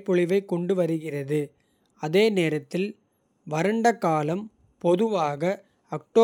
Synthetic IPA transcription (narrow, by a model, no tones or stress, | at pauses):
pːɔɭɪʋɐɪkːɔɳɖɯʋɐɾɯɣɪrɐðɯ | ɐðeːneːɾɐt̪ːɪl | ʋɐɾɐɳɖɐkːaːlɐm | pɔðɯʋaːɣɐ | ɐk̚ʈoː